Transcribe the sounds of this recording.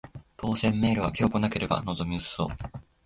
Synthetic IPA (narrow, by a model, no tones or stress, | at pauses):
t̪o̞ːsẽ̞mːe̞ːɾɯ̟β̞akʲio̞kɯ̟nake̞ɾe̞ba̰no̞zo̞mʲiɯso̞̰ː